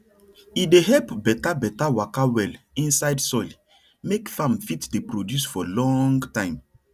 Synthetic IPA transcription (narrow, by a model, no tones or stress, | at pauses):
ideɦɛlpbɛtabɛtawakawɛlĩnsaɪdsɔl | mekfãmfitdepɹodjusfɔlɔ̃ŋɡtãɪ̃m